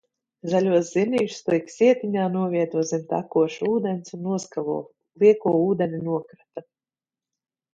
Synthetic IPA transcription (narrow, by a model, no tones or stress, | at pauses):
zalʲuɔszinʲiːʃst̪ujkʲsʲiɛt̪ʲiɲʲaːnuɔvʲiɛt̪uɔsʲimt̪a̰kuɔʃuːd̪ʲɛnʲsunːuɔskavṵɔ | liɛkuɔːuːd̪enʲinuɔkɾat̪a